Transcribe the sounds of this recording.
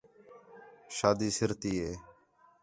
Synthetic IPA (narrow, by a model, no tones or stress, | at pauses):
ʃaːd̪iːsɪɾt̪iːeː